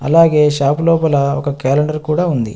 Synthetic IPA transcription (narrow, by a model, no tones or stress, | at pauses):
ɐ̰laːɡeːʃaːplɔːpɐlɐɔ̰kɐkaːlɐɳɖɐɾkuːɽaːund̪ḭ